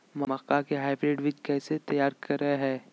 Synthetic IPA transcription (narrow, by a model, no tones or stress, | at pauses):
mɐmɐkakeɦaːɪbɾeːɖʋɪt͡ʃkɛːset̪ɐjaːɾkɐɾːɐeɦɛː